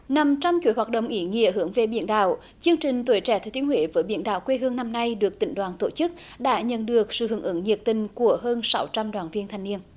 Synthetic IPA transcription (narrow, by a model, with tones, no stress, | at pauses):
na˨˩mt͡ɕa˧mt͡ɕu˧˩˦jɦwaː˨˩t̚ɗə̰˧˨wŋ͡mʔi˧˦ŋḭ˧˨˥əɦɨ˧˩əŋve˨˩ɓḭ˧˨ənɗa̰ː˧˨w | t͡ɕɨ˧əŋt͡ɕï˨˩ŋ̟t̪we˧˩˦jt͡ɕɛ˧˩t̪ʰːt̪i˨˦ənhwḛ˧˩vəː˨˦jɓḭ˧˨ənɗa̰ː˧˨wkwe˧ɦɨ˧əŋna˧mna˧jɗɨ˨˩ək̚t̪ï˧˩ŋ̟ɗwaː˨˩nt̪o˧˩t͡ɕɨ˦˥k̚ | ɗa̰ː˧˥ɲə̰˧˨nɗɨ˨˩ək̚sɨ̰˧˨hɨ˧˩ŋʔɨ˧˦ŋɲi˨˩p̚t̪ï˨˩ŋ̟ku˧˩əɦəː˧nsa˨˦wt͡ɕa˧mɗwaː˨˩nvi˧ənt̪ʰa˧jŋni˧ən